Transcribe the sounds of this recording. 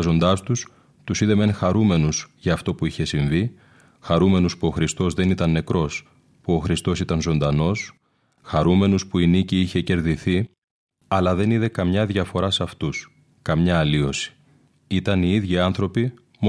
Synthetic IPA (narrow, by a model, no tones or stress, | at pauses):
zo̞nd̪ɐst̪us | t̪usiðe̞me̞nxɐɾume̞nusʝɐːft̪o̞puiçe̞siɱvi | xɐɾume̞nuspuo̞xɾist̪o̞zðe̞nit̪ɐnːe̞kɾo̞s | puo̞xɾist̪o̞sit̪ɐnzo̞nd̪ɐno̞s | xɐɾume̞nuspuiniciiçe̞ce̞ɾðiθi | ɐlɐðe̞niðe̞kɐmɲɐðʝɐfo̞ɾɐsɐft̪us | kɐmɲɐːlio̞si̥ | it̪ɐniiðʝiɐnθɾo̞pi | m